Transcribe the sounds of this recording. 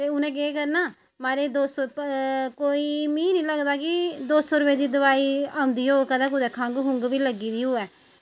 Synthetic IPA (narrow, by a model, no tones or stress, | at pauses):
t̪eːʊnɛ̃ːɡeekəɾnaː | maːɾeːd̪oːsɔːkoːiːmĩːnĩːləɡd̪aːkɪd̪oːsɔːɾʊbɛːd̪iːd̪əʋaːiːaːʊ̃nd̪iːoːkəd̪aːkʊd̪ɛːkʰãːŋɡɦʊŋɡʋiːləɡiːd̪iːoːɛː